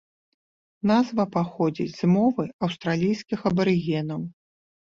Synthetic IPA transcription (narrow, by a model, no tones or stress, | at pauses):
nazvɐpaxɔd͡zʲḭd͡zʲz̥mɔvɨɐwst̪ɾalʲijsʲkʲixɐbɐɾɨɣʲɛnɐw